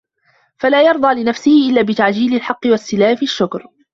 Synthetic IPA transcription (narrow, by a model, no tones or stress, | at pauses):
falaːjɑɾˤd̪ˤɑːlɪnafsɪhɪʔɪlːaːbɪt̪aʕd͡ʒiːlɪlħɑqːɨwasːɪlaːħfiʃːʊkɾ